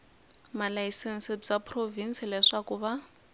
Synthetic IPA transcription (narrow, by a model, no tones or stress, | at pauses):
malajisɛnsɛpt͡sapʰʼrovinsilɛʂakuβa